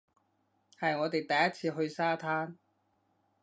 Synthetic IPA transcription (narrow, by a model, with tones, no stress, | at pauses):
hɐ˨jŋɔː˨˧t̪e˨jt̪ɐ˨˩jɐ˦˥t̚t͡sʰiː˧ɦɵ˧ɥsaː˥t̪ʰaː˥n